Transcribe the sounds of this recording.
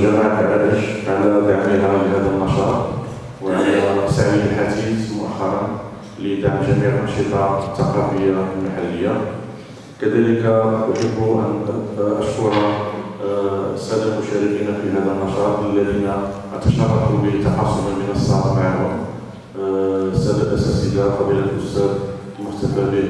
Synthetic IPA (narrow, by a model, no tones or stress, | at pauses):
ʒæmaʕʔbaʔəʃʕalæd̪aʕmiɦæləɦæd̪ənɑʃɑt̪ˤ | wʕalsaʕwiləlħad̪it̪mʊʔæxːɑɾˤɑn | ləd̪aʕmʒæmiʕʔənʃit̪ˤɑt̪ːɑqɑfəjːalmaħalːəjːa | kæd̪æləkaʔʊħəbːuʔə̰nʔæʃkʊɾˤa | əsːæd̪əlmʊʃæɾəkinafiɦæd̪əlmɑʃɑt̪ˤəlːæd̪ina | ʔət̪ɑʃɑrˤːɑk̪ubət̪ːɑħɑsˤːʊmmənəsˤːɑɾfʕahʊm | sːæb̪əbʔæsæsəlaqɑbiləlʔʊsːæb̪ | lmʊxt̪æfæbi